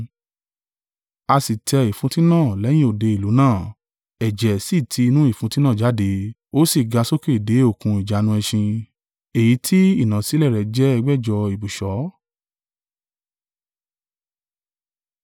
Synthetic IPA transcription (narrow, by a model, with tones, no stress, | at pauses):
a˧si˨tɛ˧i˨fũ˧˦tĩ˦nãː˦˨lɛ˨˦j̃ĩ˦o˨de˧i˨lu˨˦nãː˦˨ | ɛ˨d͡ʒɛ˨si˦˨tʰi˧i˧nũ˦i˦˨fũ˨˦ti˦nã˦˨d͡ʒa˨˦de˧ | o˦si˦˨ɡa˧so˦ke˦˨de˨˦o˦˨kũ˧i˨d͡ʒa˨˦nũ˧˦ɛ˧ʃĩ˧ | e˨ji˨˦tʰi˦i˦˨nã˨si˨˦lɛ˦˨ɾɛ˨˦d͡ʒɛ˦ɛ˧ɡ͡bɛ˦˨d͡ʒɔ˧i˨bu˨ʃɔ˨˦